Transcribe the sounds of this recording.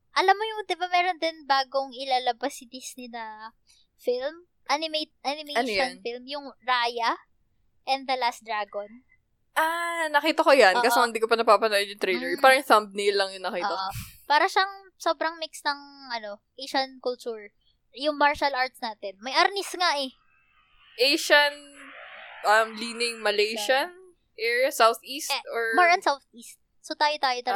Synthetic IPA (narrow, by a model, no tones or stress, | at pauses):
ʔɐlamːojʊŋd̪ɪbamɛːɾond̪ɪnbaːɡoŋʔɪlaːlɐbɐsɪd̪isninɐ | film | ʔanɪmet̪̚ʔanɪmeɐnʃjonfilmjʊŋɹaːjɐ | ʔɛnd̪d̪ɐlasd̪ɾaːɡon | ʔanɐkiːt̪ɐkojankasoɪnd̪iːkopɐnɐɡ̚paːpɐnajɐnjʊŋt̪ɾɛjlɛɹpaːɾɐjŋsɐmb̚nilːɐŋjʊŋnɐkiːtoɐopaːɾɐʃɐŋ | so̞ːbɾɐŋmiksnɐŋʔɐno̞ʔejʃɐnkʊlt͡ʃuɹ | jʊŋmaɹʃɐlʔaɹt̪̚snaːt̪ɛnmɐjʔɐɾnɪsŋaʔɛ | ʔejʃɐn | ʔɐmliːnɪŋmɐlejʃɐn | ʔɛɹasawθʔiːst̪oɹmaɹɐnsawθist̪̚ | sot̪aːjot̪aːjot̪ɐ